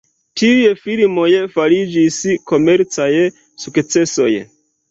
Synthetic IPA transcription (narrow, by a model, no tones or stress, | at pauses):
tiujefilmo̞jefaɾid͡ʒisko̞me̞ɾt͡saj | sukt͡se̞so̞̰j